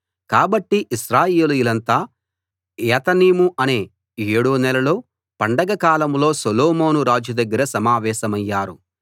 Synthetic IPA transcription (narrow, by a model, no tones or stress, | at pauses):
kaːbɐʈːiʔiʃɾaːjeːlujilɐnt̪aː | ɛːt̪ɐniːmuʔɐne̞ː | eːɽunɛlɐlo̞ː | pɐɳɖɐɡɐkaːlɐmlo̞ːsɐloːmoːnuɾaːd͡ʒjɐd̪ɐɡːɐɾɐsɐmaːʋɛːsɐmɐjːaːɾu